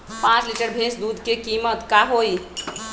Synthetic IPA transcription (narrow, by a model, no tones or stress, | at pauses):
pãt͡ʃliʈəɾbʱẽsd̪ud̪ʱkekimət̪kaɦoi